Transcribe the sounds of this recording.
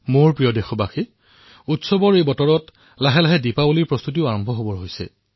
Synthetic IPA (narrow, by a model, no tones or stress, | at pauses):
moɹpɹijɔdexɔbaxi | utsɔbɔɹejbɔtɔɹɔt | laɦɛlaɦɛdipabuliɹpɹɔst̪ut̬iʊaɹɔmbʱɔɦobɔɹɦojsɛ̰